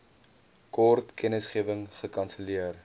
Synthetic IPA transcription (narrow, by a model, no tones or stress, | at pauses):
kɔrtkʰɛnəsχiəvəŋχəkɐnsəliər